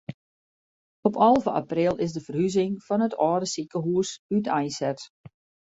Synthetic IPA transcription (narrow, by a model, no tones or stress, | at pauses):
ɔpɔlˠvəʔa̰prɪlˠɪzdəfərhyzɪŋfɔnətʰɔːdəsikəɦuəsytʰɛjnsɛt